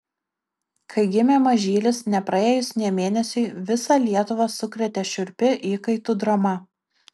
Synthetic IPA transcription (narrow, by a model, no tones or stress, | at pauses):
kʰɐɪɡʲɪmʲeːmɐʒʲiːlʲɪsnʲɛpɾɐeːjʊsʲnʲeːmʲeːnʲɛsʲɛɪʋʲɪsɑlʲiɛt̪ʊʋɑsʊkɾʲɛt̪ʲɛʃʲʊɾʲpʲɪʔiːkɐɪt̪ʊd̪ɾɐmɐ